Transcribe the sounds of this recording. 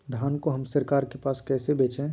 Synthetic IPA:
d̪ʱaːnkoɦəmsəɾkaːɾkepaːskɛːsebeːt͡ʃɛ̃

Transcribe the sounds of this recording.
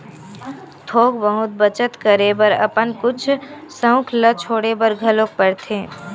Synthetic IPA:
t̪ʰoːkbəɦʊt̪̚bət͡ʃət̪kəɾebəɾə̰pənkʊt͡ʃʰsə̃ʊ̃kʰlət͡ʃʰoːɽebəɾɡʱəlok̚pəɽt̪ʰẽː

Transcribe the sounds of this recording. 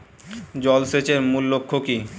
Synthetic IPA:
d͡ʑɔlset͡ɕeɾmulːokʰːoki

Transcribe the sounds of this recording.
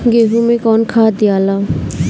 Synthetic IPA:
ɡeːɦumẽkɔːnkʰaːd̪ɪjaːlaː

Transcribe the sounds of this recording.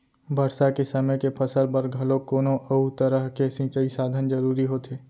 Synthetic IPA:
bʱɐɽsakesɐməjkepʰɐsəlpɐɾɡʱɐlõkoːnõʔɐut̪əɾəɦkesĩːt͡ʃəisaːd̪ʱənd͡ʒɐɾuːɾiɦot̪ʰeː

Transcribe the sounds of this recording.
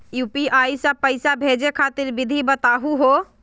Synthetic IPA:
jupiajsəpəjsabʱed͡ʒekʰat̪iɾbid̪ʱibət̪aɦuɦo

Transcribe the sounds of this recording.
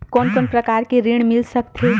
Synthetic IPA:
koːnkoːnpɾəkaːɾkeɾiɽ̃mɪlsəkt̪ʰe

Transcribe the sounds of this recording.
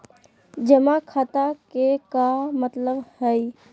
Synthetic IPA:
d͡ʒəmakʰat̪akekamət̪ləbhəi

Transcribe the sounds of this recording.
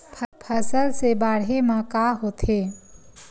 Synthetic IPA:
pʰpʰəsəlsebaːɽemãkaːɦoːt̪ʰeː

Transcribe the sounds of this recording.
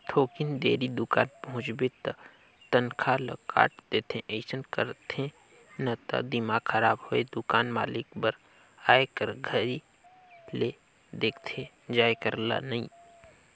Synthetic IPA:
t̪ʰoːkɪnd̪eːɾid̪ʊkaːnpəɦʊ̃t͡ʃbet̪ɐ | t̪ənkʰalə̰ka̰ːʈd̪eːt̪ʰẽʔeːsənkəɾt̪ʰẽ | nɐt̪ɐ̰d̪ɪmaːɡxʰəɾaːbhoed̪ʊkaːnmaːlɪkbəɾ | aːekəɾɡʱəɾi | le | d̪eːkʰt̪ʰẽ | d͡ʒaːekəɾla̰nɐĩː

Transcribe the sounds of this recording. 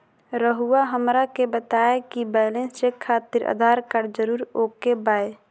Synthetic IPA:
ɾəɦuaɦəmɾakebət̪aːekibɛːlẽnst͡ʃekʰːaːt̪ɪɾʔə̰d̪ʱaːɾkəɾd͡ʒəɾuːɾoːkebaːe

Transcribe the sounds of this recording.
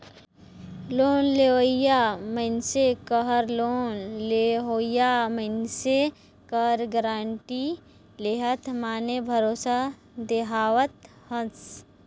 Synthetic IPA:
loːnleɦəjamənsekəɦəɾloːnleɦoːjamənse | kəɾɡɾaːɳʈi | leɦət̪ʰmaːnebʱəɾoːsa | d̪eɦaːʋət̪ | hə̃s

